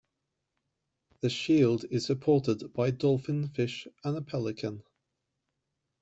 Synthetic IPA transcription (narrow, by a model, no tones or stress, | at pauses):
ðəʃiːlˠdɪz̥səpʰɔˑtɪdbaɪdɔlˠfɪ̃nfɪʃə̃nəpʰɛlɪkʰə̃n